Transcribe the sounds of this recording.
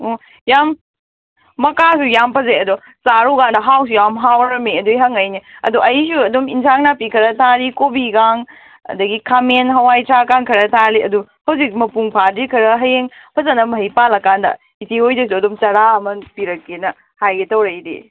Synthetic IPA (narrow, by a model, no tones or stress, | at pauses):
o | jamː | ɐkasujampʰɐzeɐdɔ | saɾuɡandɐɦaws̬ujamɦawɾɐmeɐdujɦɐŋɐjniɐ̰duʔɐjsuɐdominsʰaŋnapikʰɐɾɐtʰaɾikobiɡaŋ | ɐ̰dɐɡikʰamenɦɐwajtʰɾakaŋkʰɐɾɐtʰaliʔɐduhɐwzik̚mɐpuŋpʰadikʰɐɾɐɦɐjeŋpʰɐzɐnɐmɐɦijpalɐkandɐ̰ | itiojdɐs̬uɐdɔmt͡ʃɐɾaɐmɐpiɾɐkːenɐ | hajɡetɐwɾɐjdḭ